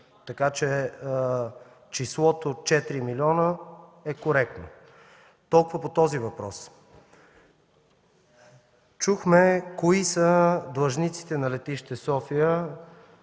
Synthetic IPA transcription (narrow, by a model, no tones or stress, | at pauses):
t̪ɐkat͡ʃɛ | t͡ʃislˠɔt̪ot͡ʃɛt̪ɾimiliɔnəɛkoɾɛk̚t̪no̰ | t̪ɔlˠkʊvəpot̪ɔzivɐpɾɔ̰s | t͡ʃuxmɛkoisəd̪lˠɐʒnit̪si̥t̪ɛnɐlɛt̪iʃt̪ɛsɔfijə